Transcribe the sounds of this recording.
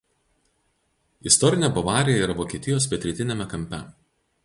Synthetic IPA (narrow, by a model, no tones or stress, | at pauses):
ɪst̪ɔɾʲɪnʲɛbɐʋɑːɾʲɪjɛiːɾɐʋoːkʲieːt̪ʲɪjoːspʲɛt̪ʲɾʲɪt̪ʲɪnʲɛmʲɛkɐmʲpʲɛ